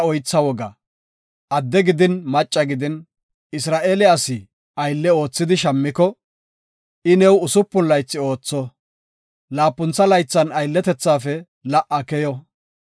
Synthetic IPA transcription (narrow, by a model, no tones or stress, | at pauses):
ɔjt͡sːɐwɔɡɐ | ʔɐd̪ːɛɡɪd̪ɪnmɐt͡ʃʼːɐɡɪd̪ɪn | ɪsɾaːʔeːlɛɐsɪ | ɐjlːɛo̞ːt͡sːɪd̪ɪʃɐmːɪkɔ | ɪnɛwʊsʊpːʊnlɐjt͡sːɪo̞ːt͡sːɔ | laːpːʊnt͡sːɐlɐjt͡sːɐnɐjlːɛt̪ɛt͡sːaːfɛ | lɐʔɐkɛjɔ